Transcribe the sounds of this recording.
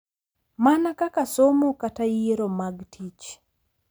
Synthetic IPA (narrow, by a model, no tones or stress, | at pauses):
manakakasomokatajeɾomaɡtʰit͡ʃ